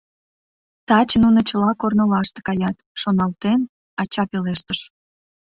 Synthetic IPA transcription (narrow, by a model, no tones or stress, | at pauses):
t̪ɑt͡ɕnunət͡ɕəlɑkornəlɑʃt̪e̥kɑjɑt̪ʃonɑlt̪en | ɑt͡ɕɑpeleʃt̪əʃ